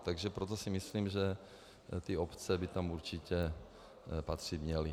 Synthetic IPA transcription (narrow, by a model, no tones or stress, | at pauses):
t̪aɡʒɛpɾot̪̬osɪmɪsliːmʒɛ | t̪ɪopt͡sɛbɪt̪amuɾt͡ʃɪcɛ | pat̪r̝̥it̪mɲɛlɪ